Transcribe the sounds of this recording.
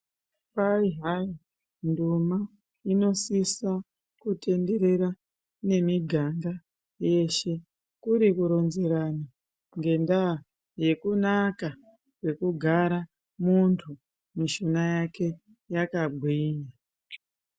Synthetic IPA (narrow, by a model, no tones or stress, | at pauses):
paiɦai | nduma | ino̞sisa | kute̞nde̞ɾe̞ɾa | ne̞miɡʱaŋɡa | je̞ʃe̞ | kuɾikuɾo̞nze̞ɾana | ŋɡe̞ndaː | je̞kunaka | kwe̞kuɡʱaɾa | muntʰu | miʃonajake̞ | jakaɡʱwiːɲa